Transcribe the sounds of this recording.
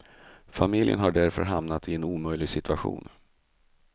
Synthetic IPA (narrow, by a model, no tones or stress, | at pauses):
famɪljə̰nɦaɖæɾfœ̰ɾɦamnat̪ɪɛnuːmœjlɪɡsɪt̪ʰɵaɧṵːn